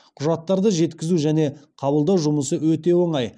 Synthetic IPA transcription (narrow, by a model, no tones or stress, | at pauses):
qʰʊʒɑt̪ːɑɾd̪əʒe̞t̪kʲɪzuʒæne̞qʰɑbəlˠd̪ɑwʒʊməsəwɵt̪e̞wo̞ɴɑj